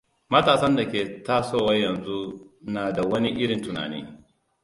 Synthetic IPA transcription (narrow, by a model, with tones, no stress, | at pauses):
mɐ˦taː˨sɐ˦nda˨kʲeː˨taː˦soː˦˨wɐ˦jɐ˨nzu˦naː˨da˨wɐ˦ni˦ʔɪ˦ɽɪ˨ntʊ˨na̰ː˨nḭː˦